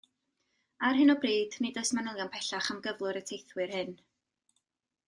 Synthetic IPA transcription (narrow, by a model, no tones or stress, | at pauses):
arɦɨnɔbriːdnɪdɔsmanəlˠjanpʰɛɬaχamɡəvlˠʊɨɾətʰejθwɨrhɨn